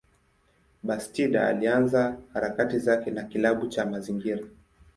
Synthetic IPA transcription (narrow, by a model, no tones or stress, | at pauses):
ɓastiɗa̰a̰lianzahaɾakatizakɛnakilaɓut͡ʃamaziŋɡiɾa